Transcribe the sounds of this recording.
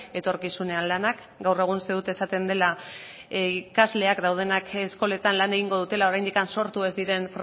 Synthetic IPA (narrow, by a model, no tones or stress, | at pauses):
e̞t̪o̞ɾkisune̞anlanak | ɡawre̞ɣ̞unseðut̪e̞sat̪e̞nd̪e̞la | ikazle̞akd̪awð̞e̞nakesko̞le̞t̪anlane̞ɣ̞iŋɡo̞ð̞ut̪e̞lao̞ɾajnd̪ikanso̞ɾt̪ue̞zd̪iɾe̞nfɾ